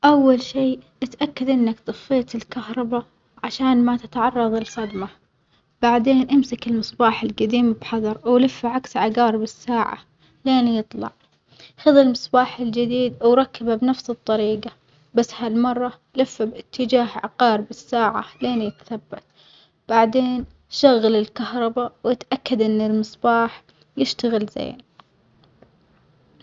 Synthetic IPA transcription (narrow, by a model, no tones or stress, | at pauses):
ʔawːalʃiːʔɪt̪ʔakːad̪ʔɪnːakt̪ˤɨfːeːt̪ɪlkahɾˤɑba | ʕaʃaːnmat̪ɪt̪ʕɑrˤːɑðˤɪlxad̪ma | b̥aʕd̪eːnʔamsakɪlmɨsˤbaːħɪlɡad̪iːmbħɑðˤɑɾˤwlɪfːaʕaksʕaɡɑːɾbɪsːaːʕa̰ | leːnjɨt̪ˤlɑ̰ʕ | xɪðɪlmɨsˤbaːħɪld͡ʒɪd̪iːd̪wɾˤɑkːababnafsɨt̪ˤːɑɾiːɡa | basːhalmɑrˤːɑ | lɪfːabɪt̪ʰːɪd͡ʒaːɦʕa̰ɡɑːɾbɪsːaːʕa̰leːnjɪt̪ḁθabːat̪̚ | b̥aʕd̪eːn | ʃaɣːalɪlkahɾˤɑbawɪt̪ʔakːad̪ʔɪnːɪlmɨsˤbɑːħ | jɪʃt̪aɣɪlza̰ː